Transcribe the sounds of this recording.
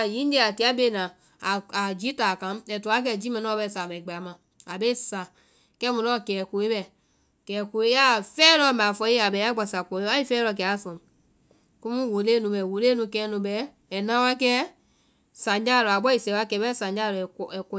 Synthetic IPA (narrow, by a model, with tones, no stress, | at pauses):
jĩ˦d͡ʒɛ˦˨a˨ti˧˦a˦be˧˨nã˨ | a˨d͡ʒi˦taː˨kã˨˦m˦ɛ˨tu˨a˨˦k̬ɛ˧˨d͡ʒi˦mɛ̃˧n˦ɔ̃˦˧˦bɛ˧˨sa˨bɛ˨ɡ͡ba˨a˨mã˨ | a˨be˦˨sa˨ | kɛ˦mũ˨lɔ̃˦˨kɛː˨ko˨e˦bɛ˨ | kɛː˨ko˨e˦ja˦˨fɛː˦lɔ˧˦˨mã˨fɔ˧˦ji˦a˨bɛ˨˦a˦ɡ͡ba˨sa˨kɔ˨˦a˦i˦fɛː˦lɔ˧˨kɛ˨˦a˦˨sɔ̃˨ | kũ˦mũ˦wo˨leː˦nũ˧bɛ˨wo˨leː˦nũ˧kɛː˧˦nũ˧bɛː˨˦˨ | nã˧˦wa˦kɛː˦ | sã˨ɲd͡ʒa˦˨lɔ˨a˨ɓɔ˦i˨sɛ˨˦wa˦kɛ˨˦bɛ˦sã˨d͡ʒa˦˨lɔ˨ɛ˨ɛ˨kɔ˧